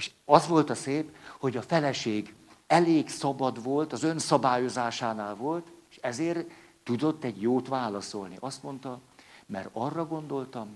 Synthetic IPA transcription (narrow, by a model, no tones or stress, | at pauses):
eʃɒzʋo̞lt̪ɒseːpho̞ɟɒfɛlɛʃeːɡ | ɛleːɡsɒbɒd̪ʋo̞lt̪ɒzø̞nsɒbaːjo̞zaːʃaːnaːlvo̞lt̪eːʃɛzeːrt̪ːud̪o̞t̪ːɛɟjoːt̪ʋaːlɒso̞lniʔɒst̪mo̞nt̪ɒmɛ̰rɒrːɒɡo̞nd̪o̞lt̪ɒm